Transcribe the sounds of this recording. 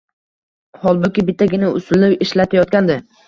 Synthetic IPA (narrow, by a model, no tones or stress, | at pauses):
hɒlˠbʊkʲɪbɪt̪ʰːaɡʲɪnaʊsʊlɪpɪʃlat̪ʰajɒt̪̚kʲand̪ɪ